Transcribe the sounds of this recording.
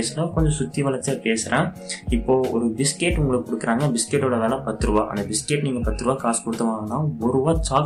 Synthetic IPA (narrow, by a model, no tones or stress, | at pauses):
slaːkɔɲd͡ʒɐsʊt̪ːiʋɐlɐt͡ʃːɐpeːsɯɾẽː | ɪpːoːɔɾɯbɪskeːʈʊŋɡɐɭɯkːɯkɔɽɯkːɪɾaːŋɡɐbɪskeːʈːoːɽɐʋeːlɐ̃ːpɐt̪ːɯɾɯʋaːʔɐ̰nd̪ɐbɪskeːʈniːŋɡɐpɐt̪ːɯɾɯʋaːkaːskɔɽɯt̪ːɐʋaːŋɐnːaːɔɾɯʋaːt͡ʃaː